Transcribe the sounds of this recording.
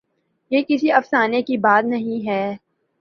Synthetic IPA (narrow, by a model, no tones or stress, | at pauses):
jeːkɪsiɐfsaːnekibaːt̪nɐɦĩɦɛː